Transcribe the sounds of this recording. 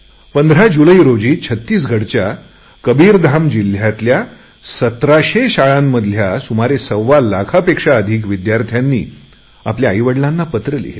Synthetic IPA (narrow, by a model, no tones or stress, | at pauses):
pənd̪ʱɾad͡ʑuləiɾod͡ʑiːt͡ɕʰət̪ːiːs̬ɡʱəɽt͡ɕja | kəbiːɾd̪ʱamd͡ʑil̤jat̪lja | sət̪ɾaɕeɕaɭãmːəd̪ʱljasumaɾesəwʋalakʰapekʂaəd̪ʱiːkʋid̪jaɾt̪ʰjanːḭː | a̰pljaːjʋəɽlãnːapət̪ɾəlḭɦil